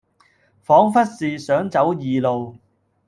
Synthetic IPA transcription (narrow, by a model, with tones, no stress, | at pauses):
fɔː˨˥ŋfɐ˥t̚siː˨sœː˨˥ŋt͡sɐ˨˥wjiː˨lo˨w